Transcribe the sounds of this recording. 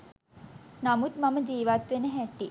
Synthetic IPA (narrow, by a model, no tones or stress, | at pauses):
namut̪maməd͡ʒiːʋat̪ʋenəɦæʈːi